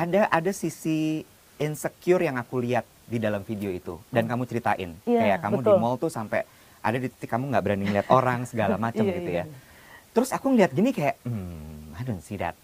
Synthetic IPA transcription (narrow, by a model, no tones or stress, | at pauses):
adaʔadasisi | ɪnsəkjʊrjaŋakuliat̪̚didalamfideoit̪ṵdankamut͡ʃəɾit̪aʔɪ̰nkajakamudimɔlt̪usampɛ̰ | ʔa̰dadit̪i̥t̪ikːamuŋɡaʔbəɾaniŋəliat̪oɾaŋsəɡalamat͡ʃəmɡit̪uja | t̪əɾʊsakuŋəliat̪̚ɡinikajaʔm̩adunsida̰t̪̚